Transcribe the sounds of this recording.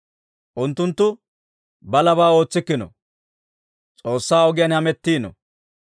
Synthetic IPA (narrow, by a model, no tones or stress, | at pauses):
ʔʊnt̪ːʊnt̪ːʊ | bɐlɐβaːo̞ːt͡sːɪkːɪnɔ̰ | t͡sʼo̞ːsːaːɔɡɪjɐnhɐmɛt̪ːiːnɔ̰